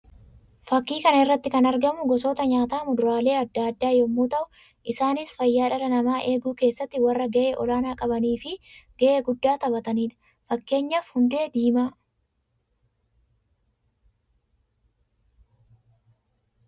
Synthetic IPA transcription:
fɐkːiːkɐnɪrːɐt̪ːɪkɐnɐɾɡɐmʊɡɔsoːt̪ɐɲaːt̪aːmʊd̪ʊɾaːle̞ːɐd̪ːaːɐd̪ːaːjɔmːuːt̪ɐʔʊ | ʔɪsaːnɪsfɐjːaːᶑɐɾɐnɐmaːʔe̞ːɡuːke̞ːsːɐt̪ːɪwɐrːɐɡɐʔeːʔɔlaːnaːkʼɐbɐniːfɪɡ̥ɐʔeːɡʊd̪ːaːt̪ɐbɐt̪ɐniːᶑɐ̥ | fɐkːe̞ːɲːɐfhʊnd̪e̞ːd̪iːmaː

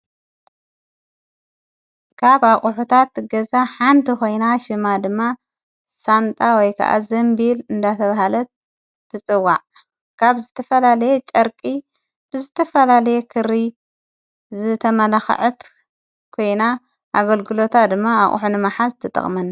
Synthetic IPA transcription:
kʰaβaχʼʊħut̪ʰat̪ɡɐzaħant̪ʰiko̞jnaʃɨmad̪ɨmːa | sant̪ʼawɔjkʰɐ̰ʔa̰zɐmbilɨnd̪at̪ʰɐβahalɐt̪ʰː | ɨt͡sʼɨwːa̰ʕ | kʰaβzɨt̪ʰɐfɐlalɐjet͡ʃʼɐɾkʼi | b̥ɨzɨt̪ʰɐfɐlalɐjekʰɨɾi | zɨt̪ʰɐmɐlaxʕɨt̪ | kʰo̞jna | ʔaɡɐlɡɨlo̞t̪ʰad̪ɨmːaa̰χʼħunɨmaħazt̪ʰɨt̪ʼɐ̰χʼmɐn

